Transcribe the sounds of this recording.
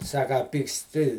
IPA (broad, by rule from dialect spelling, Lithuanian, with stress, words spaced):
ˈsɑːkɐ ɐ pʲiːksʲˈtʲɪ